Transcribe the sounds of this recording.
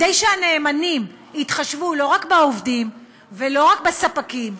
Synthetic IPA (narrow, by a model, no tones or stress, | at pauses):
dejʃehane̞ːmanim | it̪χaʃvulo̞ʁakbeovdim | ve̞lo̞ʁakbesapakim